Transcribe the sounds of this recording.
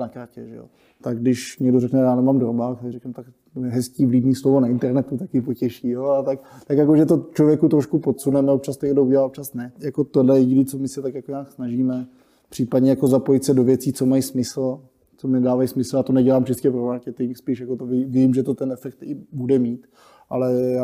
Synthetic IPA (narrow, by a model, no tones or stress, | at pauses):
nakaɾcɛʒɛ̰o̰ | t̪aɡdɪʃɲɛɡdoɾɛknɛjaːnɛmaːmdɾobakt̪ɛɾiɾɛknɛmt̪ak | ɦɛsciːvlibniːslovonaɪnt̪ɛɾnɛt̪ut̪akɪpocɛʃijoalt̪akt̪akjakoʒɛt̪̬ot͡ʃlo̞vjɛkut̪ɾoʃkupot̪sunɛmɛop̚t͡ʃast̪oɲɛɡdouɟɛlaːop̚t͡ʃasnɛjakot̪odlɛjjiɟɪdit͡somɪsɛt̪akjakoɲaːksnaʒiːmɛ | pr̥iːpadɲɛjako̞zapo̞jɪt̪sɛdo̞vjɛt͡siːt͡so̞majsmɪsl̩ | t͡somɪnɛdaːvajismɪsl̩jaːt̪onɛɟɛlaːmt͡ʃɪst̪cɛpɾomaɾkɛt̪ɪŋkspiːʃjakot̪ovɪvɪmʒɛt̪o̞t̪ɛnɛfɛk̚t̪ɪbudɛmiːt̪ | ʔalɛja